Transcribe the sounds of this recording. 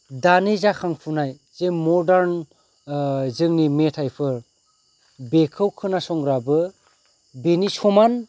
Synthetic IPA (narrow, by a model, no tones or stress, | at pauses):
danizakʰaŋpʰunaj | z̥emɔdaɾn | zɯŋnimetʰajpʰɯɾ | bekʰɯwkʰɯnasɔŋɡɾabɯ | benisɔman